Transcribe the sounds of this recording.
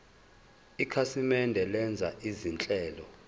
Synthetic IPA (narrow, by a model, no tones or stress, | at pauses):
ikʰasimɛndʱɛlɛnd͡zʱaʔizint͡ɬʼɛːlɔ